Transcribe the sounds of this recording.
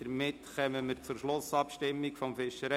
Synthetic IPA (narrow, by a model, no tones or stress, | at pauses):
əɾmɪtkœməməɾt͡suɾʃlʊsɑpʃtɪmːɪkfɔmfɪʃəɾɛ